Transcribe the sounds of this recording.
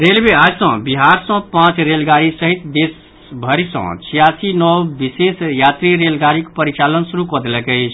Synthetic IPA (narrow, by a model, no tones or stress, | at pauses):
ɾelmeasə̃biɦaɾsə̃pãt͡ʃɾelɡaɾisəɦit̪d̪es | bʱəɾisɔ̰̃t͡ʃʰijasinɔwbisesjat̪ɾiɾelɡaɾikpəɾit͡ʃalənsuɾukɔd̪elɛkəɪt͡ʃʰ